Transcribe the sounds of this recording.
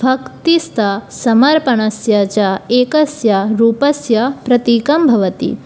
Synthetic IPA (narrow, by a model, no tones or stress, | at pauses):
bʱɐkt̪ist̪ʰɐsɐmɐɾpɐɳɐsjɐt͡ʃɐeːkɐsjɐɾuːpɐsjɐpɾɐt̪iːkɐmbʱɐʋɐt̪ḭ